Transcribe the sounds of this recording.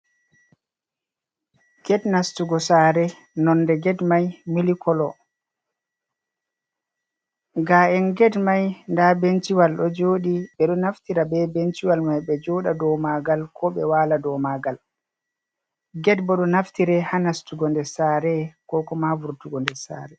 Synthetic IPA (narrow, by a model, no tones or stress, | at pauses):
ɡ̥ɛdnastuɡɔsaɾɛ | nɔnːdɛɡɛdmajmilikʰɔlɔ | ɡaɛnɡɛdmajndabent͡ʃiwalɗɔd͡ʒoːɗiɓɛɗɔnaftiɾabɛbent͡ʃiwalmajɓɛd͡ʒɔɗadɔmaɡalkʰɔɓɛwaːladɔmaɡal | ɡɛdbɔɗɔnaftiɾɛhanastuɡɔndɛsaːɾɛkɔkɔmavuɾtuɡɔndɛsa̰ːɾɛ